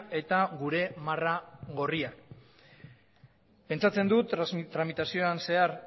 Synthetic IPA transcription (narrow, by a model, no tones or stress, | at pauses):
e̞t̪aɡuɾe̞maraɣo̞ria | pe̞nt͡sat͡se̞nd̪ut̪t̪ːɾamit̪asio̞anse̞aɾ